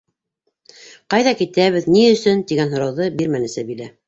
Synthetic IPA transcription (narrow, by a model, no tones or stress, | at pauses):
qɑjðɑkit̪æβɘ̆ðniɵ̆sɵnt̪iɡænɦŏɾɑwðɤbiɾmænɘ̆sæbilæ